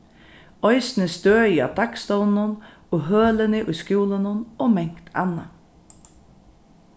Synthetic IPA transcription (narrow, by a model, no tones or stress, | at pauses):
ɔjsnɪst̪øːia̰ʋd̪akst̪ɔwn̩ːʊn | ɔɦøːlɪnɪʔṵjskjuːlənʊnɔmɛŋ̥kt̪ʰa̰nːa